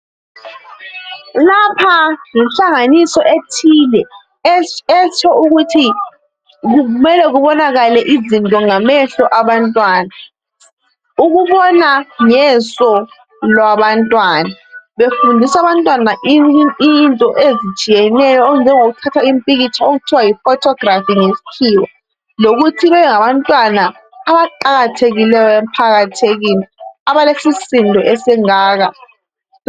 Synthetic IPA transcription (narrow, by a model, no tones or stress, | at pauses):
lapʰaŋɛnɬaŋanisɔʔetʰiːlɛ | ɛt͡ʃʰɔuɣutʰi | umɛlɛɣuβɔnaɣalɛʔizintʼɔŋamɛɬɔʔaβantʼwaːna | uɣuβɔnaŋɛsɔ | lwaβantʼwanaβefundʱisaβantʼwanaʔinʔintʼɔʔezit͡ʃʼijɛnɛjɔound͡ʒʱɛŋoɣutʰatʰaimpʼiɣit͡ʃʰaoɣutʰiwajifɔtʰɔɡrafiŋesi̥kʰiːwa | loɣutʰilɛjɛŋaβantʼwanaː | βaǃaɣatʰeɣilɛjɔempʰaɣatʰeɣiniaβalesisindʱɔʔɛsɛŋaːɣa